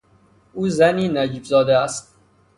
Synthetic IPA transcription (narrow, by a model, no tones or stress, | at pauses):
ʔuːzæniːnæd͡ʒiːbzɒːd̪eæst̪̚